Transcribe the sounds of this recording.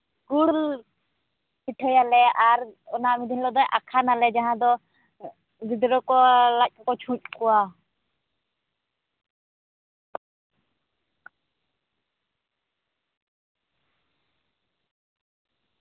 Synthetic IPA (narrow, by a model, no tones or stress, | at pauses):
ɡuɾl | piʈʰɛjalɛaɾɔnamid̪ʱinlɔd̪ɔjʔakʰanalɛd͡ʒaɦãd̪ɔ | ɡid̪ɾɔkɔlac̚ˀkɔt͡ʃʰũc̚ˀkɔwa